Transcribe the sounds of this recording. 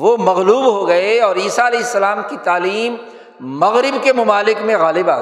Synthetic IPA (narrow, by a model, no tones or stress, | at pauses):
ʋomɐɣluːbɦoɡɐeɔːɾiːsaɐlɛːɦɪsːɐlaːmkit̪aːliːmː | ɐɣɾɪbkemʊmaːlɪkmẽɣaːlɪbaː